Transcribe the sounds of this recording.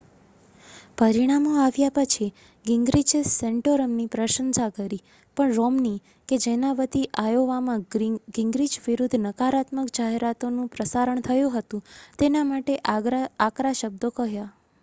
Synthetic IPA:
pəɾiɽ̃amoaʋjapət͡ʃʰi | ɡɪŋɡɾid͡ʒeseɳʈoɾəmnipɾəʃənsakəɾi | pəɳɾɔmni | ked͡ʒenaʋət̪iʔajoʋamãɡɪŋɡɾid͡ʒʋiɾud̪ʱnəkaɾat̪məkd͡ʒaɦeɾat̪onũpɾəsaɾəɳt̪ʰəjũɦət̪ũt̪enamaʈeʔakɾaʃəb̚d̪okəɦja

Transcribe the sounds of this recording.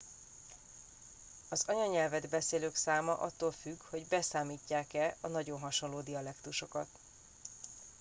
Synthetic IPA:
ɒzɒɲɒɲɛlvɛd̪bɛseːløːksaːmɒʔɒt̪ːoːlfyɡho̞ɟbɛsaːmiːcːaːkɛɒnɒɟo̞nɦɒʃo̞nloːd̪iɒlɛkt̪uʃo̞kɒ̰t̪

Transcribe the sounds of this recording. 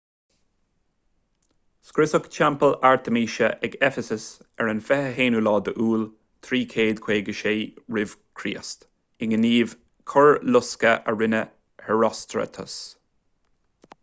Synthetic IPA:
skɾɪsʊkt͡ʃʰampəlaɹt̪ʰəmiːʃəʔɛɡɛfəsəsɛɹənfɛhəɦeːnulɑːd̪əʔuːl | t̪ʰɾiːkʰeːd̪kʰweːɡəʃeːɹɪv̥kʰɾiːəst̪ | ɪŋəniːv | kʰʊɹlʊskəʔəɹɪnə | hɛɹɔst̪ɹə̰t̪ʰə̰s

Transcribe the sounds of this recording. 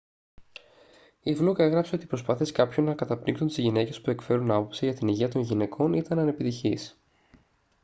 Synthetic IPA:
ivluke̞ɣɾɐpse̞o̞t̪ipɾo̞spɐθie̞skɐpço̞nːɐkɐt̪ɐpɾiŋksunt̪izʝine̞ce̞spue̞kfe̞ɾunɐpo̞psiʝɐt̪iniʝiɐt̪o̞nʝine̞kʰo̞nit̪ɐnɐne̞pit̪içis

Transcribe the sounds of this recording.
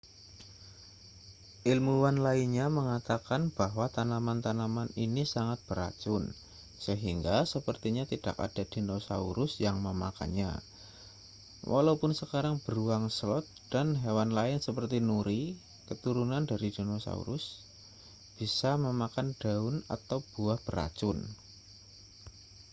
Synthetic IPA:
ʔilmuwanlainɲaməŋat̪akanb̥aɦwat̪anamant̪anamaninisaŋat̪̚b̥əɾa̰d͡ʒʊn | səɦiŋɡasəpərt̪iɲat̪id̥a̰ka̰d̥ad̥inosa̰uɾʊsjaŋməma̰ka̰nɲa̰ | wʔa̰laupʊnsəkaɾaŋb̥əɾuaŋslɔt̪̚d̥anɦewanlaɪnsəpərt̪inuɾi | kət̪uɾunandaɾidinosa̰ṵɾʊs | b̥isaməmakand̥aʊna̰t̪awb̥uahb̥əɾa̰t͡ʃʊn

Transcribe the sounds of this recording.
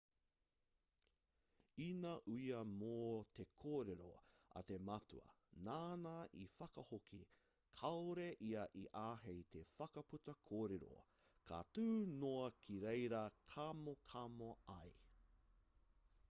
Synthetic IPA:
inɐʔuiɐmoːt̪ʰe̞kʰoːɾeɾoɐ̰t̪e̞mɐtṵɐ̰naːnaʔifɐkɐhokʰi | kʰɐoɾeʔiɐʔiʔaːɦejt̪ʰe̞fɐkɐputɐkʰoːɾeɾo̰ | kʰa̰tʉːnoɐkʰiɾejɾɐkʰamokʰɐmoɐj

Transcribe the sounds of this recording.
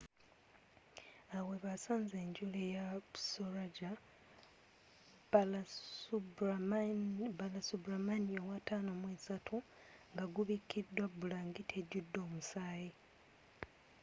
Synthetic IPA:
awe̞βasaːnze̞ːɲɟulejasoɾaɟa | lu | balasubɾamaniowatanomweːsatʰu | ŋɡaɡuβikid̪ːwabulaːŋɡitʰeɟudːo̞ːmusaːje

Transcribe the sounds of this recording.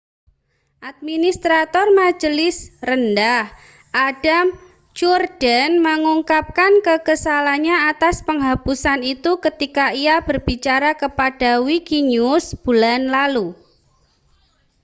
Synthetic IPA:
ʔat̪̚minist̪ɾat̪ɔrmḁd͡ʒəlɪsrəndah | ʔad̥am | t͡ʃurd̥ənməŋuŋkap̚kankəkəsalaɲaat̪aspəŋɦapusanit̪ukət̪ikaiab̥ərb̥it͡ʃaɾakəpad̥awikiɲusb̥ulanlalu

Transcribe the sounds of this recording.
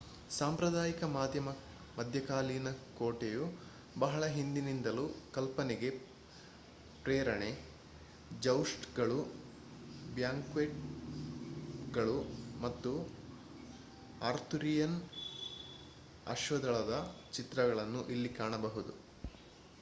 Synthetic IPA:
saːmpɾɐd̪aːjikɐmaːd̪ʱjɐmɐ | mɐd̪ʱjɐkaːliːnɐkoːʈeju | bɐɦɐɭɐɦind̪inind̪ɐlukɐlpɐneɡe̞ | pɾɛːɾɐɳe | d͡ʒɐwʂʈɡɐɭu | bjaːŋkʋeːʈ̚ | ɡɐɭumɐt̪ːu | aːɾt̪uɾijɐn | ɐ̰ʃʋɐd̪ɐɭɐd̪ɐt͡ʃit̪ɾɐɡɐɭɐnːuʔilːikaːɳɐbɐɦud̪u

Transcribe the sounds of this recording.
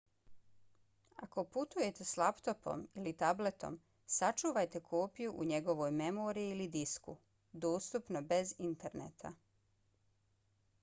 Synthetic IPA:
ako̞put̪uje̞t̪e̞slˠapt̪o̞po̞̰milit̪able̞t̪o̞̰m | sat͡ʃuːʋajt̪e̞kʰo̞ːpijuʔuɲe̞ɡo̞ʋo̞jme̞moːɾiiːlid̪isku | d̪oːst̪upno̞be̞zint̪e̞ɾnḛt̪ʰa̰

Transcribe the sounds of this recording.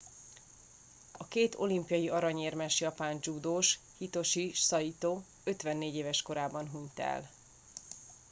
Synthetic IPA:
ɒkeːt̪o̞limpijɒjiɒɾɒɲeːrmɛʃjɒpaːnd͡ʒuːd̪oːʃ | hit̪o̞ʃiʃsɒjit̪oː | ø̞t̪ʋɛnːeːɟeːvɛʃko̞ɾaːbɒnɦuɲt̪ɛ̰l

